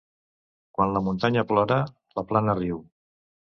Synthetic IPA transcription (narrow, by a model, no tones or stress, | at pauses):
kwanləmunt̪aɲəplɔɾə | ləplanəriw